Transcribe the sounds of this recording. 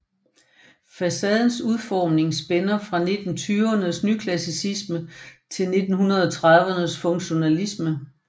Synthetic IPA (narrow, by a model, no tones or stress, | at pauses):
fæsɛð̞ˠn̩suð̞ˠfɒːmne̝ŋsb̥enɐfʁɑ̈ne̝d̥n̩t͡sʰyːʊɐnəsnykʰlæsisismət͡sʰe̝lne̝d̥n̩ɦunɐð̞ˠɒt͡sʰʁaðˠʋənəsfɔ̽ŋɕo̝nælismə